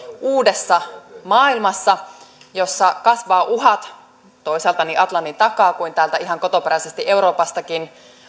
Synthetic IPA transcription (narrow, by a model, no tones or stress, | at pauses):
uːdesːɑmɑːilmɑsːɑ | josːɑkɑsʋɑːʔuɦɑt̪ | t̪oisɑlt̪ɑniʔɑt̪lɑnːint̪ɑkɑːkuint̪æːlt̪æiɦɑŋko̞t̪opeɾæisest̪iʔe̞uɾo̞ːpɑst̪ɑkin